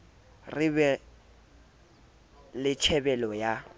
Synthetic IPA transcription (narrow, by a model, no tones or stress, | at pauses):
rɪβɛ | lɪt͡ʃʰɛbɛlɔja